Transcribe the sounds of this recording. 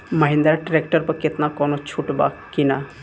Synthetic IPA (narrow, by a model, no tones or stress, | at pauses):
məɦĩnd̪aɾaʈɾekʈəɾpəɾkɪt̪nakɔnot͡ʃʰuʈba̰kina